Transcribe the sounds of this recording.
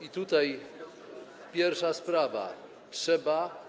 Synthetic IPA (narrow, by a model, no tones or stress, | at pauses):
it̪ut̪aj | pʲjɛɾfʂaspɾava̰ | tʂɛba